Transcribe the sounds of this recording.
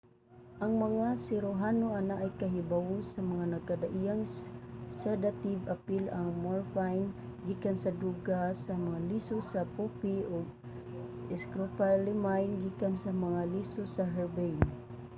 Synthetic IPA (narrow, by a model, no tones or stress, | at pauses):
ʔɐŋmɐŋasɪɾoɦanoʔanaʔːjkaɦɪbawʊsamaŋanɐɡkad̪aʔijaŋ | sɛd̪at̪ivapilaŋmoɹfajnɡikansad̪uɡasamɐŋalisosapupiʊɡ̚ | ɛskɾopalɪmajnɡikansamɐŋalisosaɦɛɹbɛjn